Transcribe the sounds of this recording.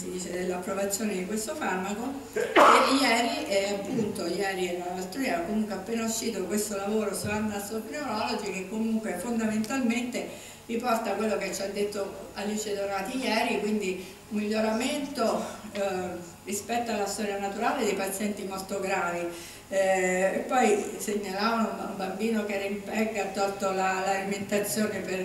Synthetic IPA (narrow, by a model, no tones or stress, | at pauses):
sid̪iːt͡ʃed̪elːapːɾovat̪sːjoːned̪ikwest̪ofarmako | ejɛːɾiʔɛapːunt̪ojɛːɾilaast̪ːoɾiɛkomuŋkweapːeːnauʃːiːt̪okwest̪olavoːɾosuanːasokɾeoɾɔlod͡ʒikekːomuŋkwefond̪ament̪alment̪e | ripɔrt̪akwelːoket͡ʃːad̪ːet̪ːoalːut͡ʃed̪ornaːt̪ijɛːɾikwind̪i | umːiʎːoɾament̪o | rispɛt̪ːoalːast̪ɔɾjanat̪uɾaːled̪epat̪sːjɛnt̪imolt̪oɡɾaːvi | epːɔjseɲːalaːvauumbambiːnokɛːɾimpɛɡːat̪ːɔlt̪olalaliment̪at̪sːjoːnepe